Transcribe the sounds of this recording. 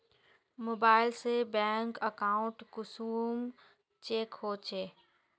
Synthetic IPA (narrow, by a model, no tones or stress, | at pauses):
moːbaːɪlsebɛ̃ːŋkəkaːʊ̃ɳʈkʊsuːm | t͡ʃeːkhoːt͡ʃeː